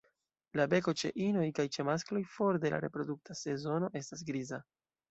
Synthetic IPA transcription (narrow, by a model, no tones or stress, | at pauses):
labe̞ko̞t͡ʃe̞̰ʔino̞jkajt͡ʃe̞masklo̞jfo̞ɾde̞la̰ɾe̞̰pɾo̞duk̚tase̞zo̞no̞ʔe̞stas̬ɡɾiza